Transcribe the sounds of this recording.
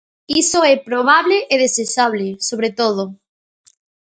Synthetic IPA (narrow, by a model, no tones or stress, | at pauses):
isoɛpɾoβ̞aβleʔeðesesaβlesoβɾet̪oð̞o